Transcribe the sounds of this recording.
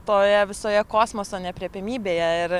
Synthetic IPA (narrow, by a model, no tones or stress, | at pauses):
t̪oːjɛʋʲɪsoːjɛkoːsmoːsoːnʲɛpʲɾʲiɛpʲɪmʲiːbʲeːjɛɪɾ